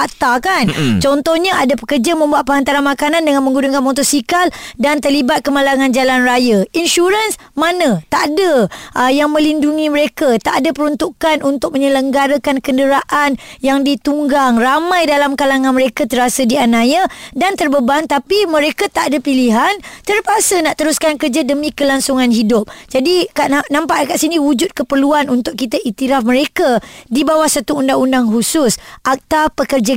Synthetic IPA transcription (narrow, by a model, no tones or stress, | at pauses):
at̪akant͡ʃɔnt̪ɔhɲaʔadapəkərd͡ʒamə̃mbuat̪̚pəɦant̪aɾanmakanandəŋanmə̃ŋɡuduŋkanmɔt̪ɔsikaldant̪ərlibat̪̚kəmalaŋand͡ʒalanrajəinʃuɾəns | manə̃t̪aʔdəʔəjaŋmə̃linduŋĩməɾekat̪aʔdəpəɾunt̪ukanʔunt̪ʊk̚mə̃ɲələŋɡaɾəkankəndəɾaʔanjaŋdit̪uŋɡaŋramãjdalamkalaŋanməɾekat̪əɾasədianajədant̪ərbəbaŋt̪apimə̃ɾekat̪aʔadəpiliɦant̪ərpasənaʔt̪əɾuskankərd͡ʒadəmĩkəlaŋsuŋanhidʊp̚d͡ʒadikaʔanãmpaʔkaʔsinĩwud͡ʒʊt̪̚kəpərluanunt̪ʊk̚kit̪aʔit̪iɾafməɾekədibawahsat̪uundaŋundaŋɦusʊsʔak̚t̪apəkərd͡ʒa